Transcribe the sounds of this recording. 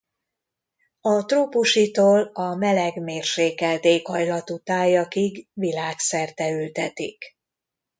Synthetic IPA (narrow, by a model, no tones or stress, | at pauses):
ɒt̪roːpuʃit̪oːlɒmɛlɛɡmeːrʃeːkɛlt̪eːkhɒjlɒt̪ut̪aːjːɒkiɡʋilaːksɛrt̪ɛylt̪ɛt̪ḭk